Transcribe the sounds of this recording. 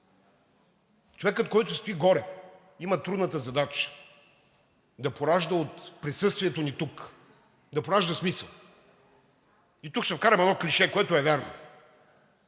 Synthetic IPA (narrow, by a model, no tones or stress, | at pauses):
t͡ʃovɛkət̪̚kɔjt̪ʊst̪ʊiɡɔɾɛ | imət̪ɾud̪nət̪əzɐd̪at͡ʃə̥ | d̪ɐpoɾaʒd̪əot̪pɾisɤst̪viɛt̪onit̪uk | d̪ɐpoɾaʒd̪əsmisəlˠ | it̪ukʃt̪ɛfkaɾɐmɛnɔklʲiʃɛkoɛt̪ʊɛvɛɾno̰